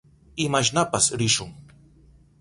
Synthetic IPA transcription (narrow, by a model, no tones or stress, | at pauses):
ɪmaʃ̬napasɾɪʃʊŋ